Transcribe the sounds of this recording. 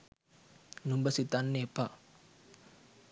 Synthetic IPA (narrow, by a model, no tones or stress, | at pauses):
numbəsit̪anːepa